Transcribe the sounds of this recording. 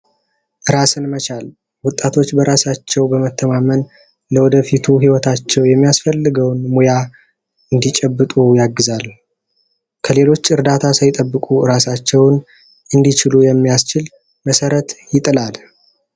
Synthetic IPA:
ʔɨɾasɨnmət͡ʃal | wʊt̪ʼːat̪ʰo̞t͡ʃːbəɾasat͡ʃːɛwbəmət̪ʰːəmamən | ləwɔd̪əfit̪ʰuɦiwɔt̪ʰat͡ʃːɛwjɛmːijasfəlːɨɡəwnmuja | ɨnd̪it͡ʃʼɛbːɨt̪ʼujaɡːɨzal | kʰəle̞lo̞t͡ʃːɨɾd̪at̪ʰasəjɪt̪ʼəbːɨkʼuɨɾasat͡ʃːɛwn | ʔɨnd̪it͡ʃɪlujɛmːijast͡ʃɪl | məsəɾət̪jɪt̪ʼɨlal

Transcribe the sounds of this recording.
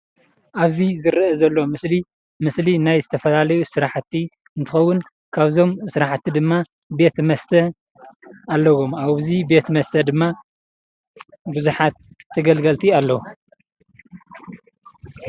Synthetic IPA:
ʔaβzizɨɾʔɐzɐlːo̞mɨsli | mɨslinajzɨt̪ʰɐfɐlalɐjusɨɾaħt̪ʰːi | ɨnt̪ʰɨxɐwːʊn | kʰaβzo̞msɨɾaħt̪ʰːid̪ɨmːa | be̞t̪mɐst̪ʰɐ | alːɐwo̞maβzibe̞t̪mɐst̪ʰɐd̪ɨmːa | buzuħat̪ʰː | ɐɡɐlɡɐlt̪ʰialːɐwu

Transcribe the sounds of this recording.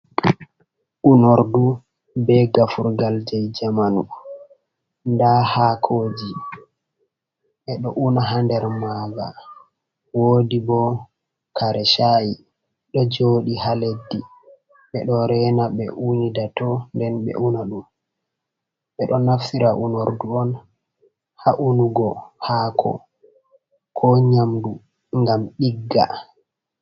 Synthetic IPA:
ʔunoɾdu | bɛɡafuɾɡald͡ʒɛjd͡ʒamanu | ndahakʰoːd͡ʒi | ɓɛɗɔʔunaɦandɛɾmaːɡa̰ | woːdibɔ | kaɾɛʃaji | ɗɔd͡ʒoɗihaledːi | ɓɛɗɔɾɛnaɓɛʔunidatɔndɛnɓɛ̰ʔunaɗum | ɓɛɗɔnafsiɾaʔunoɾduɔn | haʔunuɡɔhaːkʰɔ̰ | kʰɔɲamdu | ŋɡamɗiɡːa̰

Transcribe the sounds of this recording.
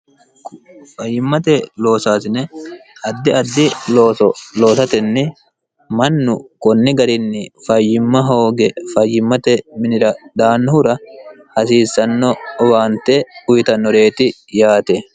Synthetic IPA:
fɐjːɪmːɐt̪ɛlo̞ːsaːsɪnɛɐd̪ːɪɐd̪ːɪloːsɔlo̞ːsɐt̪ɛnːɪ | mɐnːʊkɔnːɪɡɐɾɪnːɪfɐjːɪmːɐɦo̞ːɡɛfɐjːɪmːɐt̪ɛmɪnɪɾɐd̪aːnːɔhʊɾɐ | hɐsiːsːɐnːɔɔbaːnt̪eʊjt̪ɐnːɔɾe̞ːt̪ɪ | jaːt̪ɛ

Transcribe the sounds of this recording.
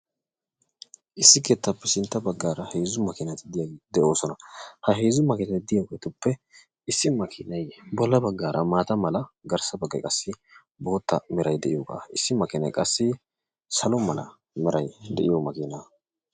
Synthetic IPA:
ʔɪsːɪkeːt̪ːɐpːɛsɪnt̪ːɐbɐɡːaːɾɐheːzʊmɐkɪnɐt̪ɪd̪ɪjaːɡd̪ɛʔo̞ːsɔnɐhɐɦeːzʊmɐkɪnɐt̪ɪd̪ɪjokeːt̪ʊpːɛ | ɪsːɪmɐkʰɪːnɐjbɔlːɐbɐɡːaːɾʔɐmaːt̪ɐmɐlɐɡɐɾsɐbɐɡːɐ̰jkʼɐsːɪ | bo̞ːt̪ːɐ̰mɛɾɐjd̪ɛʔɪjɔɡa̰ːɪsːɪmɐkɪnɐ̰jkʼɐsːɪ | sɐlɔmɐlɐ̰ | mɛɾɐjd̪ɛʔɪjɔmɐkiːnɐ

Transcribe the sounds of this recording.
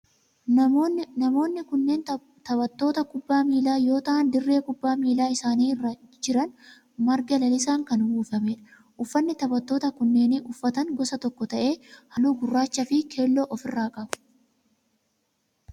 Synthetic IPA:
nɐmo̞ːnːɪkʊnːe̞ːn | t̪ɐbɐt̪ːo̞ːt̪ɐkʊbːaːmiːlaːjo̞ːt̪ɐʔɐnd̪ɪrːe̞ːkʊbːaːmiːlaːɪsaːniːrːɐd͡ʒɪɾɐn | mɐɾɡɐlɐlɪsaːŋkɐnwuːfɐmeːᶑɐ̥ | ʔʊfːɐnːɪt̪ɐbɐt̪ːo̞ːt̪ɐkʊnːe̞ːnɪʔʊfːɐt̪ɐŋɡɔsɐt̪ɔkːɔt̪ɐʔe̞ːhɐluːɡʊrːaːt͡ʃːɐfɪkʰe̞ːlːoːʔɔfɪrːaːkʼɐbʊ̥

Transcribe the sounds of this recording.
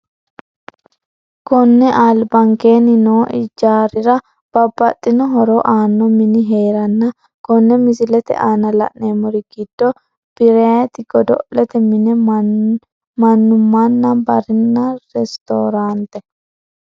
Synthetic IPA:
kɔnːɛʔaːlbɐŋke̞ːnɪnoːʔɪd͡ʒaːɾɪɾɐ | b̥ɐbːɐt̪ʼːɪnɔɦɔɾoːʔaːnːɔmɪnɪɦeːɾɐnːɐ | kɔnːɛmɪzɪlɛt̪ɛ̰ʔaːnɐlɐ̰ʔneːmɔɾɪɡ̥ɪd̪̥ːɔ | b̥ɪɾeːt̪ɪɡɔd̪ɔ̰lɛt̪ɛmɪnɛ | mɐnːʊmːanːɐbɐɾɪnːɐɾɛst̪o̰ːɾaːnt̪ɛ

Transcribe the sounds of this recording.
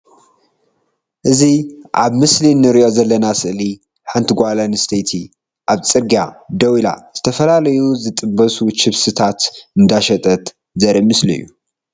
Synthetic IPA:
ʔɨziʔaβmɨslinːɨɾiʔo̞zɐlːɐnasɨʔli | ħɨnt̪ʰɡʷalɐnɨst̪ʰejt̪ʰi | ʔaβt͡sʼɨɾɡiad̪ɐwila̰z̥ɨt̪ʰɐfɐlalɐjuzɨt̪ʼɨbːɐsut͡ʃʰɪβsɨt̪ʰat̪ɨnd̪aʃɐt̪ʼɐt̪ | zɐɾimɨslɨ̰jːu

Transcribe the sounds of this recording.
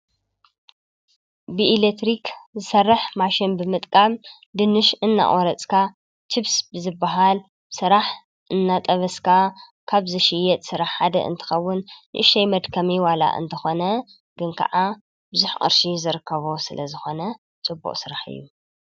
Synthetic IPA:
bɨilet̪ɾikzɨsɐrːɨħmaʃɪnbɨmɨt̪ʼkʼam | d̪ɨnːɨʃɨnːa̰ʔʼoɾɐt͡sʼkʰa | t͡ʃʰɨβsbɨzɨbːaɦal | sɨɾaħ | ʔɨnːat̪ʼɐβɐskʰa | kʰaβzɨʃɪjːɛt̪ʼsɨɾaħħad̪ɐ̰ʔɨ̰nt̪ʰɨ̥xɐwːʊnʔʃɐjmɐd̪kʰɐmiwala̰ʔɨ̰nt̪ʰɐxo̞nɐ | ɡ̥ɨnkʰɐ̰ʕa | bɨzuħqʼɨ̰ɾʃizɨɾɨkʰːɐβo̞sɨlɐzɨxo̞nɐ | t͡sʼɨbːṵqʼsɨɾaħɨ̰jːu

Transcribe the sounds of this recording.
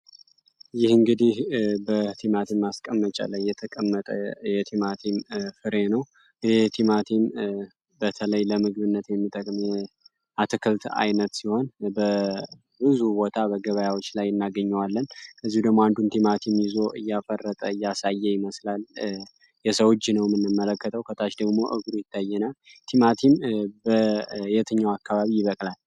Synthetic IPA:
jɪhɨŋɡɨd̪ihbət̪ʰimat̪ʰimːaskʼəmːət͡ʃʼə̰lajːɛt̪ʰəkʼəmːət̪ʼə̰jɛt̪ʰimat̪ʰimfɨɾenəw | jɛt̪ʰimat̪ʰim | bət̪ʰələjləmɨɡɨβɨnːət̪jɛmːit̪ʰʼəkʼmɛ | ʔat̪ʰɨkʰɨlt̪a̰jnət̪siho̞nbə | bɨzubo̞t̪ʰabəɡəβəjawo̞t͡ʃːlajɨnːaɡəɲːɛwalːənkʰəzːihud̪əɡmoand̪unt̪ʰimat̪ʰimjɪzo̞ʔɨjːafərːət̪ʼəɨjːasajːɛjɪməslal | jɛsəwot͡ʃːnəwmːɨnːɨmːələkːət̪ʼʰəwkʰət̪ʰat͡ʃd̪əɡmo̞ʔɨɡɾujɪt̪ʰːajːɛnat̪ʰimat̪ʰimbəjɛt̪ʰɨɲːawakʰːaβaβijɪβəkʼlal

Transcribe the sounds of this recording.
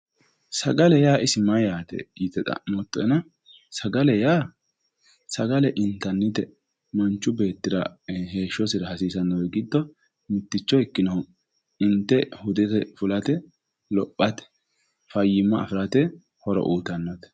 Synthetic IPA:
sɐɡɐlɛjaːʔɪsɪmɐjaːt̪ɛ̰it̪ɛt̪ɐ̰mɔt̪ʼːɔnɐ | sɐɡɐlɛjaː | sɐɡɐlɛʔɪnt̪ːɐnːɪt̪ɛ | mɐnt͡ʃːʊbe̞ːt̪ːɪɾɐ̰ɦe̞ːʃːɔsɪɾɐhɐsiːsɐnːɐwɛɡɪd̪ːɔ | mɪt̪ːɪt͡ʃːɔɪkːɪnɐhʊ | ɪnt̪ːɛhʊd̪ɛt̪ɛfʊlɐt̪ɛ | lɔpʼːɐt̪ɛ̥ | fɐjɪmːɐ̰ːfɪɾɐt̪ɛ | hɔɾɔ̰ʔuːt̪ɐnːɐt̪

